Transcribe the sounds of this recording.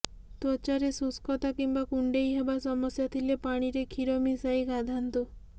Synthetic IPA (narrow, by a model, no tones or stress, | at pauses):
t̪ɔt͡ʃaɾesuskʰɔt̪akimbakuɳɖejɦebasɔmɔsjɔt̪ʰilepaɽ̃iɾekʰiɾɔmisajkad̪ʱant̪u